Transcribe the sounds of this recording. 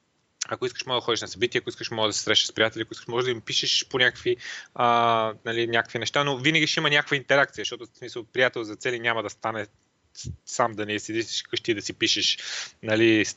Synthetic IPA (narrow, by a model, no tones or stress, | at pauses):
ɐkoiskəʃmɔɡɡd̪ɐxɔd̪iʃnɐsɐbit̪ʲiɛɐkoiskəʃmɔɡd̪ɐsɛsɾɛʃnə̥ʃspɾijat̪ɛliɐkoiskə̥ʃmɔʒɛd̪ɐimpiʃɛʃponʲakə̥kviənɐlinʲjakəkvinɛʃt̪anovinəɡʲiʃɛimənʲakəkvəint̪ɛɾak̚t̪sijɐʃt̪ɔt̪ʊsmisəlˠpɾijat̪ɛlˠzɐt̪sɛlinʲamɐd̪ɐst̪anɛ | samd̪ɐnɛisɛd̪isi̥ʃkɤʃt̪iːd̪ɐsipiʃɛʃnɐli